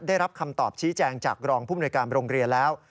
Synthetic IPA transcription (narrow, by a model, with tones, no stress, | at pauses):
daː˥˩jɾa˦˥p̚kʰa˧mt̪ɔː˨˩p̚t͡ɕʰiː˦˥t͡ɕɛː˧ŋt͡ɕaː˨˩k̚ɾɔː˧ŋpʰuː˥˩m˨nu˧jkaː˧nɾoː˧ŋɾi˧ənlɛː˦˥w